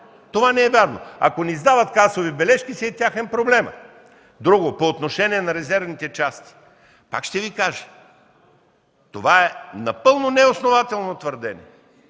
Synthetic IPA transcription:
t̪ovanɛɛvʲjaɾno̰ɐ̰konizd̪avɐt̪kasovibɛlɛʃkisiːt̪ʲjaxɛnpɾoblɛmə̰ | d̪ɾuɡopoːt̪noʃɛniɛnɐɾɛzɛɾvnit̪ɛt͡ʃast̪i̥ | pa̰kʃt̪ɛvikaʒɛ̥ | t̪ovaɛnɐpɤlˠnonɛosnovat̪ɛlˠnot̪vəɾd̪ɛnḭ

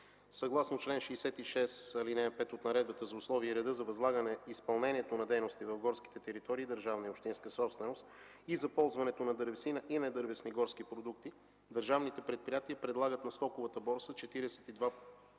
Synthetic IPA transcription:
sɐɡlˠasnot͡ʃlɛnʃɛːsɛt̪iʃɛsɐlinɛpɛt̪ot̪nɐɾɛd̪bət̪əzɐʊslˠɔviəiɾɛd̪ɤzɐvɐzlˠaɡənɛispɐlˠnɛniɛt̪onɐd̪ɛjnost̪ivɐvɡɔɾski̥t̪ɛt̪ɛɾit̪ɔɾiːd̪əɾʒavnɐiopʃt̪inskəsɔpst̪vɛnost̪ | izɐpɔlˠzvɐnɛt̪onɐd̪ɤɾvɛsinəʔinɛd̪ɤɾvɛsniɡɔɾsk̟ipɾod̪uk̚t̪i | d̪əɾʒavnit̪ɛpɾɛt̪̚pɾijat̪iəpɾɛd̪lˠaɡət̪nɐst̪ɔkʊvət̪əbɔɾsət͡ʃɛt̪iɾɛsɛ̥t̪id̪va

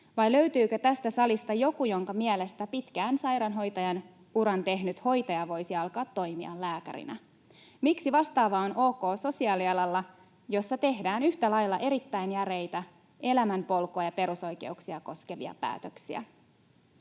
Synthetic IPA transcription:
ʋɑjlø̞ɥt̪yːkøt̪æst̪æsɑlist̪ɑjo̞kujo̞ŋkɑmiele̞st̪æpit̪kæːnsɑjɾɑnɦo̞jt̪ɑjɑn | uɾɑnt̪e̞ɦnyt̪ho̞jt̪ɑjɑʋo̞jsiɑlkɑːt̪ːo̞jmiɑ̰lːæːkæ̰ɾḭnæ | miksiʋɑst̪ɑːʋɑonʔo̞ːko̞ːso̞siɑːliɑlɑlːɑ | jo̞sːɑt̪e̞ɦdæːnyht̪ælɑjlːɑʔe̞ɾit̪ːæjnjæɾe̞jt̪æ | ʔe̞læmæmpo̞lkoɑjɑpe̞ɾuso̞jke̞̰uksiɑko̞skeʋḭɑ̰pæ̰ːt̪øksiæ̰

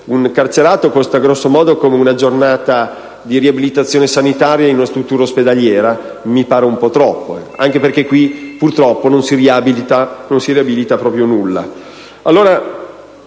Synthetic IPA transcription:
uŋkart͡ʃeɾaːt̪okost̪aɡɾɔsːomɔːd̪okomeunad͡ʒornaːt̪a | d̪iɾiabilit̪at̪sːjoːnesanit̪aːɾjainunast̪ɾut̪ːuːɾaosped̪aljɛːɾa | mipaːɾeumpɔt̪ɾɔpːoa̰ŋk̟eperk̟ekːwipurt̪ɾɔpːononsiriabilit̪anonsiɾiabilit̪apɾɔːpɾjonulːa̰ | alːoːɾa

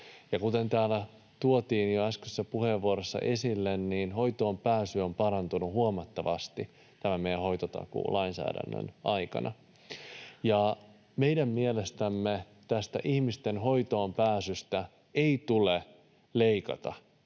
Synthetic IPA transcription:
jɑkut̪e̞nt̪æːlæ | t̪uot̪iːnjoæskysːæpuheʋːuoɾesːɑ̰ʔe̞silːenniːnho̞jt̪o̞ːmpæːsyompɑɾɑnt̪unuhuomɑt̪ːɑʋɑst̪i | t̪æmæmejæ̃ɦo̞jt̪ot̪ɑ̰kṵːlɑinsæ̰ːdæ̰nːø̰nʔɑjkɑ̰nʔɑ̰ | jɑ | meidæmːielest̪æmːe | t̪æst̪æ̰ʔihmist̪enɦo̞jt̪oːmpæːsyst̪æ | eit̪ule | leikɑ̰t̪ɑ̰

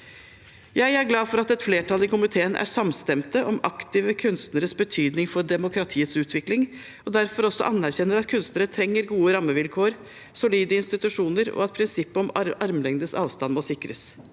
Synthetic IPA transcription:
jæɪæɾɡlɑːfɔɾɑt̪ɛt̪fleːʈʰɑlɪkʊmɪt̪ʰeːənʔæ̰ʂɑmst̪ɛmt̪əʔɔmɑkt̪ɪʋəkʰʉnst̪nəɾəsbət̪ʰyːd̪nɪŋfɔɖɛmʊkɾɑt̪ʰiːət̪sʉːt̪ʰʋɪklɪŋ | ɔd̪æɾfɔɾɔsːɔ̰ʔɑnːæɾçɛnːəɾɑt̪kʰʉnst̪nəɾət̪ʰɾɛŋːəɾɡuːəɾɑmːəʋɪlkʰoːəɾ | sʊliːd̪əɪnst̪ɪt̪ʉʂuːnəɾɔ̰ɑt̪̚pʰɾɪnsɪpːəɔmɑɾmlɛŋd̪əsɑːʋst̪ɑnmɔsɪkɾə̰s

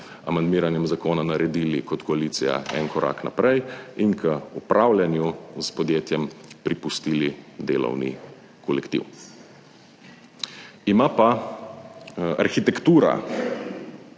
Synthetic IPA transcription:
a̰mand̪miːɾanjɛmzakoːnanaɾɛd̪iːlikɔt̪kɔaliːt̪sija̰ɛ̰nkɔɾʔa̰ːkna̰pɾʔɛjiŋkʰəupɾʔaːwljanjuzpɔd̪jeːt̪jɛmpɾipust̪iːlid̪eːlɔ̰wnḭ | kʰɔlɛkt̪ḭw | imapa | a̰ɾxit̪ɛkt̪uːɾa̰

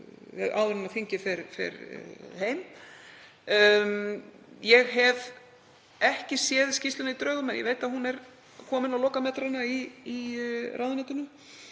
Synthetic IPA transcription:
ɛ̰ða̰ːwðʏɾʏnafiɲcɪfɪɾfɪ̰ɾheːjm | jɛɣɦɛv | ɛhcɪsjɛðscist̪lʏnait̪ɾœːɣʏmɛnjɛ̰veːjt̪aðɦunɛɾ | kʰɔːmɪnawlɔːkamɛt̪ɾanːaiː | rʔaːwðʏnɛt̪ʏnʏ

